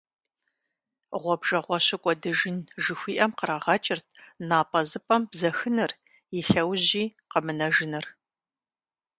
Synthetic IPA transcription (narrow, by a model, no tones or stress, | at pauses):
ʁʷɔbʒɐʁʷɔɕɪkʷʼɔdɨʒɪnʒɨxʷiːʔɐmqəɾaːʁɐt͡ʃʼɪrtʰnaːpʼɐzɨpʼɐmbzɐxɨnɨr | jɪɬɐwʑiː | qəmɨnɐʒɪnɨr